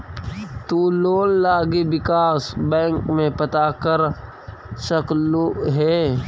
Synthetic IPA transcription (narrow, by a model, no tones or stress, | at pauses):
t̪uːloːllaːɡiwɪkaːsbɛ̃ːŋkmẽpɐt̪akəɾ | ʃɐkloɦɛː